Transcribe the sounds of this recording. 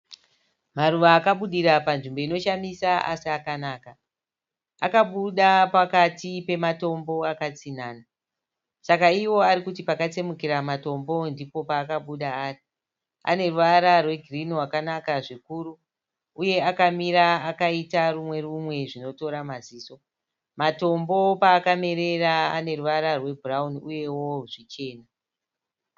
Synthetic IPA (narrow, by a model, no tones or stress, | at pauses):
maruʋaːkaɓuɗiɾapanʐimbo̞ino̞ʃamisaʔa̰siakanaːka | akaɓuɗapakatipe̞mato̞mbo̞akat͡sinaːna | sakaiwo̞aɾikutipakat͡semukiɾamato̞mbo̞ndipo̞paːkaɓuɗaaːri | a̰ne̞ruʋaɾarwe̞ɡʱiriniwakanakaʐikuɾu | uje̞akamiɾaakaitarumwe̞rumwe̞ʐino̞to̞ɾamaziːso̞ | mato̞mbo̞paːkame̞ɾe̞raa̰ne̞ruʋaɾarwe̞burauniuje̞wo̞ʐit͡ʃe̞ːna